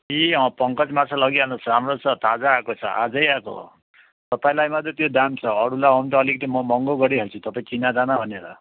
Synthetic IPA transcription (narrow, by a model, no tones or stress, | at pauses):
iʌ̃pʌŋkʌt͡smasʰalʌɡiɦanusɾamɾot͡sʰʌt̪ad͡zaːkot͡sʰʌ̰ʔa̰d͡zʌjako̰ | t̪ʌpaĩlajmad̪et̪jod̪ant͡sʰʌːɽulaɔnt̪ʌːlikt̪imɔmɔŋɡoɡʌɽiɦelt͡sʰut̪ʌpaĩkinad͡zanabʱʌneɾa̰